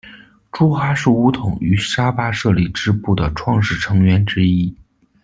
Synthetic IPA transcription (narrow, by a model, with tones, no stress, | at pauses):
ʈ͡ʂu˥xa˥ʂɻ̩˥˩u˧˥t̪ʰʊ˨˩˦ŋy˧˥ʂa˥pa˥ʂɤ˥˧li˥˩ʈ͡ʂɻ̩˥pu˥˩d̪ə˩ʈ͡ʂʰwɑ˥˧ŋʂɻ̩˥˩ʈ͡ʂʰɤ˧˥ŋɥɛ˧˥nʈ͡ʂɻ̩˥i˥